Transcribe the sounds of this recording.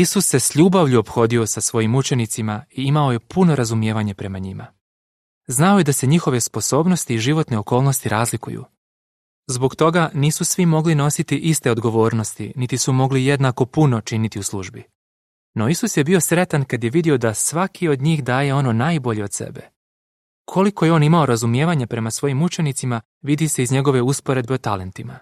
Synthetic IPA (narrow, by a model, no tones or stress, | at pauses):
isusːe̞sʎuːbaʋʎuo̞pxo̞ːd̪io̞sasʋo̞jimut͡ʃe̞nit̪simaiimao̞je̞pʰuno̞ɾazumje̞ːʋaɲe̞pɾe̞maɲima̰ | znaojed̪ase̞ɲixo̞ʋe̞spo̞so̞ːbno̞st̪iːʒiʋo̞t̪ne̞o̞ko̞ːlˠno̞st̪iɾʔaːzlikṵjṵ | zbokt̪o̞ɡaniːsusʋimo̞ɡlino̞sit̪iʔist̪e̞o̞d̪ɡo̞ʋo̞ːɾno̞st̪init̪isumo̞ɡlijed̪nako̞puno̞t͡ʃinit̪iuslˠuʒbi | no̞isusje̞bio̞sɾe̞t̪ankad̪je̞ʋid̪io̞d̪asʋakʰio̞d̪ɲiːxd̪aːje̞o̞no̞naːjbo̞ʎe̞o̞d̪sḛbe̞̰ | kʰo̞liko̞jeo̞ːnimao̞ɾazumje̞ːʋaɲapɾe̞masʋo̞jimut͡ʃe̞nit̪sima | ʋid̪ise̞izɲe̞ɡo̞ʋe̞uspoɾe̞d̪be̞ot̪ale̞nt̪ima̰